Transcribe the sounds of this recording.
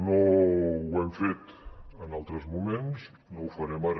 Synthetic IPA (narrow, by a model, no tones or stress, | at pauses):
nowɛmfet̪ənalˠt̪ɾəzmumens | nowfəɾɛmar